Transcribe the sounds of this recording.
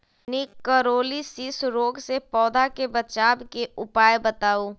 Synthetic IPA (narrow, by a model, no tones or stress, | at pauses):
nikəɾoːlisisɾoːɡsepɔːd̪ʱakebɐt͡ʃaːbkeʊpaːjbɐt̪aːuː